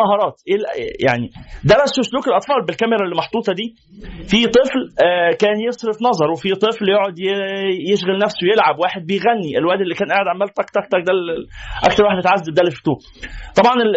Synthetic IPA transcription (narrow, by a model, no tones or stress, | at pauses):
ɑɦɑːɾˤɑːt̪ʔelja̰ʕnid̪æɾˤæsːosluːkelʔɑt̪ˤfɑːlbelkæmeɾælːimɑħt̪ˤuːt̪ˤɑd̪iː | fit̪ˤɨflkæːnjesˤɾefnɑzˤɑɾˤwefit̪ˤɨfljoʕod̪jjeʃɣælnæfsowejelʕabwaːħed̪̚bejɣænːiʔelwæːd̪elːiːkæːnʔaːʕed̪ʕamːæːlt̪ˤɑkt̪ˤɑk̚t̪ɑk̚d̪ælʔɑ̰kt̪ɑɾˤwaːħd̪met̪ʕazːæbd̪æːlːeft̪uː | t̪ˤɑbʕɑne